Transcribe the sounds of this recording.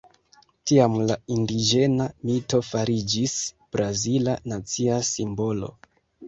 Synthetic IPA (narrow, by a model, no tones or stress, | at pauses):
tiamlaindid͡ʒe̞namito̞faɾid͡ʒis | b̥ɾazilanat͡siasimbo̞lo̞̰